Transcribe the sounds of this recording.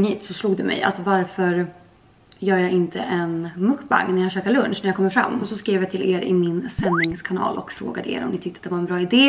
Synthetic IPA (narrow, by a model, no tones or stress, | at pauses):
hiːt̪sɔsluːɡd̪ɵmɛ̰ja̰t̪vaɾfœɾ | jœːɾjaɡɪnt̪ʰəʔɛnmɵkːba̰ŋːnæjahɕøːkalɵnʂnæɾjakʰɔmːəɾfɾa̰mːɔsɔskɾeːvjat̪ʰɪlḛːɾɪ̰mɪnsɛnːɪŋskʰanɑ̰ːlʔɔ̰kfɾo̰ːɡad̪əḛːɾɔ̰mnɪt̪ʰʏkt̪əat̪d̪ɛvaɾɛnbɾɑːɪd̪eː